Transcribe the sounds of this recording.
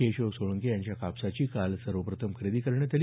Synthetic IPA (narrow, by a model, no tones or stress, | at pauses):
eɕoʋsoɭəŋkejaɲt͡ɕjakapsat͡ɕiːkalsəɾʋəpɾət̪ʰəmkʰɾed̪iːkəɾɳet̪al